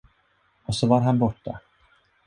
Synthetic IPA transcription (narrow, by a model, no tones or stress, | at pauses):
ɔsɔvaɾɦanbɔʈːa̰